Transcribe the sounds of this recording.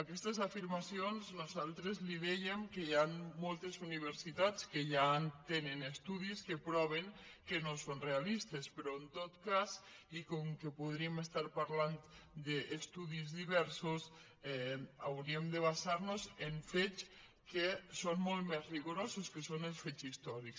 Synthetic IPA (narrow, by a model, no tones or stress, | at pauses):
akɛst̪esafiɾmasionznosalˠt̪ɾezliðejemkejanmolˠt̪esuniβ̞eɾsit̪at͡skeʎant̪enenest̪uðiskepɾɔβ̞eŋkenosonrealist̪espeɾoent̪ot̪kazikoŋkepuðɾiemest̪aɾpaɾlant̪d̪eʔːst̪uðizðiβɛɾsos | ɛawɾiemd̪eβ̞asaɾnozeɱfet͡ʃ | kesonmolt̪mɛzriɣuɾososkesonelsfet͡ʃist̪ɔɾiks